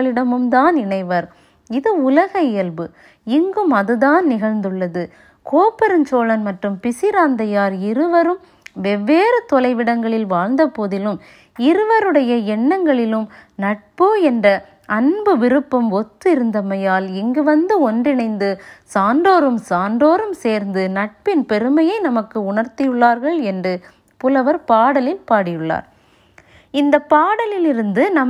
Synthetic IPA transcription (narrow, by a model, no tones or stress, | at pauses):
ɭɪɽɐmɯmd̪aːnɪɳɐɪʋɐɾ | ɪðɯʊlɐɣɐɪjɐlbɯ | ɪŋɡɯmɐðɯðaːnnɪɣɐɻnd̪ɯɭːɐðɯ | koːpːɐɾɯnt͡ʃoːlɐnmɐʈrɯmpɪsɪɾaːnd̪ɐjaːɾɪɾɯʋɐɾɯm | ʋɛʋːeːɾɐt̪ɔlɐɪʋɪɽɐŋɡɐɭɪlʋaːɻnd̪ɐpoːðɪlɯm | ɪɾɯʋɐɾɯɽɐjɐɛɳːɐŋɡɐɭɪlɯmnɐʈ̚poɛndrɐ | ɐnbɯʋɪɾɯpːɐmɔt̪ːɯɪɾɯnd̪ɐmɐjaːlɛŋɡɯʋɐnd̪ɯɔndrɪnɐɪnd̪ɯsaːɳɖoːɾɯmsaːɳɖoːɾɯmseːɾnd̪ɯnɐʈ̚pɪnpɛɾɯmɐjɐɪnɐmɐkːɯʊɳɐɾt̪ɪjɯɭːaːɾɣɐɭɛndrɯ | pʊlɐʋɐɾpaːɽɐlɪlpaːɽɪjɯɭːa̰ːɾ | ɪnd̪ɐpːaːɽɐlɪlɪɾɯnd̪ɯnɐm